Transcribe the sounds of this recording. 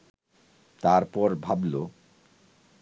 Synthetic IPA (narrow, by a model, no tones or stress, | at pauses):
t̪aɾpɔɾbʱablo